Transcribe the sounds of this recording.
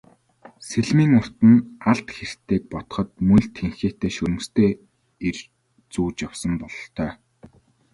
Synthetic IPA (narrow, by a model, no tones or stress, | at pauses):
seɮmiːŋʊr̥t̪ɘ̆naɮt̪xer̥t̪ʰːeːk̚pɔt̪ɞ̥̆χɞ̆t̪̚mɵnɮt̪ʰeŋxeːt̪eːʃɵɾɵ̆mst̪ʰeː | er | t͡suːt͡ɕjawsə̆mpɔɮɞ̆ɬt̪ʰœː